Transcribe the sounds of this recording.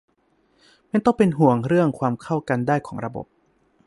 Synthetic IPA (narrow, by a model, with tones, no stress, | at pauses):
ma˥˩nt̪ɔ˥˩ŋpe˧nɦu˨˩˦əŋɾɯ˥˩əŋkʰwaː˧mkʰa˥˩wka˧ndaː˥˩jkʰɔː˩˦ŋɾa˧bo̰˨˩p̚